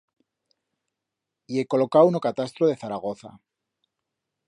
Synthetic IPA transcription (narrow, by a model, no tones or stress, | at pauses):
ie̞ko̞lo̞kaunokat̪ast̪ɾoðe̞θaɾaɣ̞o̞θa̰